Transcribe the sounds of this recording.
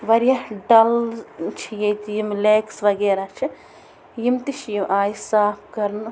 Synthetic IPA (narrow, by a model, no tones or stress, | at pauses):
ʋɐɾjɐɖɐlt͡ʃʰijejt̪ijimleːksʋɐɡeːɾaːt͡ʃʰi | jimt̪iʃʰjimʔaːjisaːpʰkɐɾn